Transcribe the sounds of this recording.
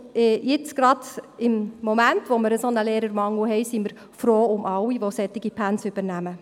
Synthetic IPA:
jɪt͡sɡ̥ɾɑdɪmːomæntʋoməɾəsɔnəleːɾəɾmɑŋːuɦɛɪsiməɾ | fɾoːʊmʔɑwiʋosɛt̪ːɪɡ̥ipʰænsyb̥əɾnæmə

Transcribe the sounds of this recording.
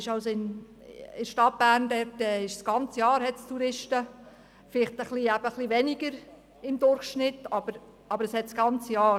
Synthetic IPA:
ɪʃɑʊsoɪn | ɪʃtɑt̚b̥æːɾndɛrtɛɪʃsɡ̥ɑnt͡səjɑːɾhɛtstuɾɪʃtə | fɪlɪχtəχliæb̥əχliʋɛniɡ̥əɾ | ɪmd̥̪ʊrχʃnɪtːɑb̥əɾ | ɑb̥əɾəshɛt̪sɡ̥ɑnt͡səjɑːɾ

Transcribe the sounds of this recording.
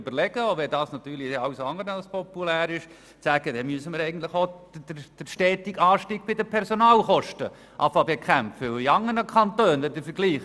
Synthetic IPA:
bəɾlɛɡ̥əoʋɛd̪ɑːsnɑt̪yːɾliɑʊsɑŋəɾnɑlspʰɔpulæːɾɪʃ | t͡sæɡ̥əd̥ɛmyəsəməɾɛɪɡən̩t̪ləɪχo̥dd̥əʃtɛːtiɡɑːʃtiːɡ̥̚b̥ɪdəpʰɛɾsonɑːlχɔʃtə | ʔɑ̰fɑbekʰæmfəʊiɑŋːənəkʰɑntøːnʋɛdəfəɾɡliːχ

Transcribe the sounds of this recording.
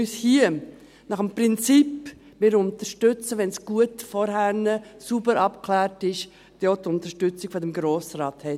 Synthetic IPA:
yshiːə | nɑχəmpɾɪnt͡sip | mɪɾʊntəʃtʏt͡səʋɛnsɡ̥uətfɔɾɦænəsubəɾɑpkʰlæːɾtɪʃ | d̥ot̪ʊntəʃtʏt͡sɪɡ̥fodɛmɡɾoːsrɑːthɛ

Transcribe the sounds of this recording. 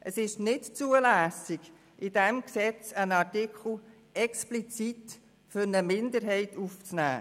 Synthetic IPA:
ʔəsɪʃnɪtt͡suəlæːsɪɡ̥ | ʔɪd̥ɛmksɛt͡sənɑtɪkʰl̩ | ɛksplit͡sit | fʏɾnəmɪnd̪əɾɦɛɪtuft͡snæ̰ː

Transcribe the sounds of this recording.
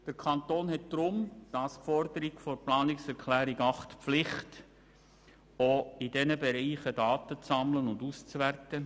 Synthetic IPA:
d̥əɾkʰɑnt̪oːnɦɛt̚d̪̥ɾʊmd̥ɑsfɔrdəɾiɡfɔɾplɑːnɪksɛɾkʰlæːɾiɡɑχtpflɪχt | oɪdɛnəbeɾiːχədɑːtət͡sɑmlənʊndust͡sværtə

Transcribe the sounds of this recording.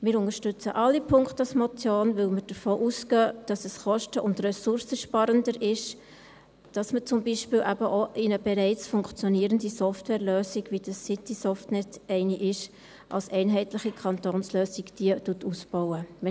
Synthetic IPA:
mɪːɾʊnəʃtʉt͡sə̰ʔɑlːipʰʊŋkχtɑsmɔt͡sjoːnʋɪlməɾd̥əɾfoːʔusɡ̥œd̥ɑsɛsχɔʃtəʔʊndrɛsʊɾsəʃpɑɾəndəɾɪʃ | d̥ɑsmət͡sʊmbiːʃpɪːlʔæbəʔoʔɪnəbɛɾɛɪt͡sfʊŋkt͡sjɔniəɾəndisɔftwɛːɾløːsiɡʋid̥ɑsːɪtisɔftnɛtɛɪniʔɪʃ | ʔɑ̰lsɛɪnɦɛɪtlɪχikʰχɑntoːnsløːsikd̥iətuətusb̥ɔwəmɪ

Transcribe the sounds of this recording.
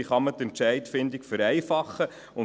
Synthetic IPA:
iχɑmətɛntʃɛɪtfɪndikfəɾɛɪfɑχːə | ʊ

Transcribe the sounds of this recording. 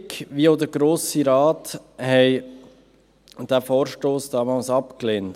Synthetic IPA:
kʋiodəɾɡɾoːsiɾɑːthɛɪ | d̥æfɔːɾʃtoːsd̥ɑːmɑlsɑpkleːnt

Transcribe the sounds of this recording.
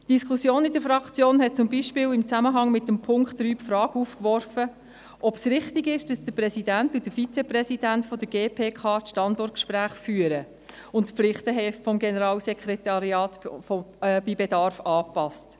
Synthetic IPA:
d̥iskʰusjoːnɪdəɾfɾɑkt͡sjoːnɦɛt̚t͡sʊmbiʃpɪːwɪmt͡sæməɦɑŋmɪtːəmpʰʊŋkχtɾyːpfɾɑːɡuːfkʋɔrfə | ʔɔpsɾɪχtɪɡɪʃd̥ɑsd̥əpɾɛsidæntud̥əfit͡sɛpɾɛsid̥æntfɔd̥̪əɡ̥eːpʰeːkʰɑːtʃtɑndɔrt̚kʃpɾæːχfyːəɾə | ʊntspflɪχtəɦɛːffɔmɡenəɾɑːlsɛkʰɾɛtɑɾiɑːtfɔb̥ibedɑɾfɑːpɑst

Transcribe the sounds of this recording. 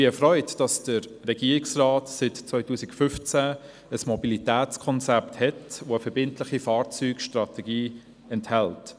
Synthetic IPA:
b̥ɪɛfrɔʏtd̥ɑsd̥əɾːɛɡ̥iːɾɪksraːtsɪtt͡sʋœʏtuːsɪkfʏft͡sæ | əsmɔbilitɛæːt͡skʰɔnt͡sɛpthɛtʋoəfəɾbɪntlɪχifɑːɾt͡syːkʃtrɑtɛɡiː | ɛnthɛlt

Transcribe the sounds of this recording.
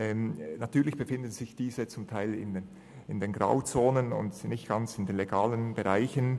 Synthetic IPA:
ɛːmnatʰyːɐlɪçb̥əfɪndən̩z̥ɪçd̥iːzət͡sʊmtʰaɪlɪ̰n | ɪndenɡʁa̰ʊt͡soːnənʊ̰ndnɪçtɡ̥ant͡sɪndenleɡaːlənbeʁaɪçən

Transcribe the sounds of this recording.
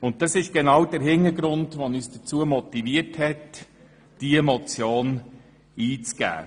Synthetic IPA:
ʊnt̚dɑsɪʃɡ̥enɑwd̥əɾɦɪnːəɾɡɾʊndʋɔnyːsd̥ət͡suːəmɔt̪iviəɾthɛt | d̥iɛmɔt͡sjoːn | iːt͡sɡ̥æ̰ː

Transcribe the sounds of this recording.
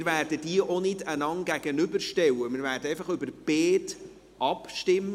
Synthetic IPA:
ɾvæːrdəd̥iəʔonɪdanɑŋɡæɡ̥ənʏbəɾʃtɛwəmɪːɾvæːɾdəɛɪfɑχʏbərb̥eːt | ɑpʃtɪmːə

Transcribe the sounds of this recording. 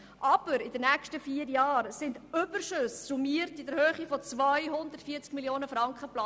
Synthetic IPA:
ʔɑb̥əɾɪdənækʃtəfiːəɾjɑːɾsɪndʏbəɾʃʏssumiəɾtidɛɾhøːχifɔt͡svœjɦʊnd̪əɾtfiːəɾt͡skmiljoːnəfɾɑŋkχəplɑ

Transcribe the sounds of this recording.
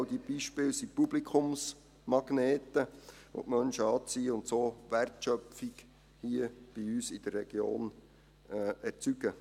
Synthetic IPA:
wdib̥iʃpɪːlsipublikʰʊms | mɑɡ̥neːt̪ə | ʋo̰ʔmœnʃəɑːt͡siːəʊnt̪soːʋærtʃœfik | hiəb̥iyːsɪd̥ərːɛɡ̥jo̰ːnː | ɛɾt͡syɡ̥ə

